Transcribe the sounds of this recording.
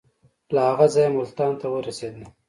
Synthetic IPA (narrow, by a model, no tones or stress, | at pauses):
lahaɣazɑjamʊlt̪ɑnt̪awəɾased̪na